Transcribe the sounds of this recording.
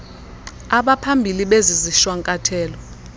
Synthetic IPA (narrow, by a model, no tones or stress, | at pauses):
aɓapʰambʱiliɓeziziʃwaŋkʼatʰɛːlɔ